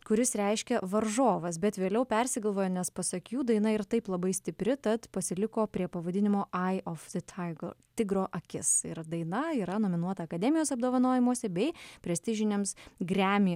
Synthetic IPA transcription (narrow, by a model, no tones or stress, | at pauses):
kʊɾʲɪsɾʲɛɪʃʲkʲɛʋɐɾʒoːʋɐs̬bʲɛt̪ʋʲeːlʲɛʊpʲɛɾʲsʲɪɡɐlˠʋoːjoːnʲɛspɐsɐkʲuːd̪ɐɪnɐɪɾt̪ɐɪplˠɐbɐɪsʲt̪ʲɪpʲɾʲɪt̪ɐt̪pɐsʲɪlʲɪkoːpʲɾʲiɛpɐʋɐd̪ʲɪnʲɪmoːʔɐɪʔofd̪ɪt̪ʲʰɐɡt̪ʲɪɡɾoːʔɐkʲɪsɪɾd̪ɐɪnɐiːɾɐnoːmʲɪnuɔt̪ɐɐkɐd̪ʲɛmʲɪjoːsɐb̚d̪oːʋɐnoːjɪmuɔsʲɛbʲɛɪpʲɾʲɛsʲt̪ʲɪʒʲɪnʲemsɡɾʲæːmʲiː